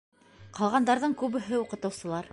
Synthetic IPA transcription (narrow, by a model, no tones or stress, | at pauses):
qɑlˠʁɑnd̪ɑɾðɤɴkʉβɘ̆ɦɘuqɤ̆t̪ɤ̆wsɤ̆lˠɑɾ